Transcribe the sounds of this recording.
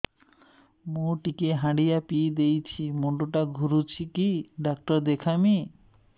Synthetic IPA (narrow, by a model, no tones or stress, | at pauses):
mũʈikeɦãɽijapid̪ejt͡ɕʰimoɳɖoʈaɡʱuɾut͡ɕʰikiɖakʈɔɾd̪ekʰami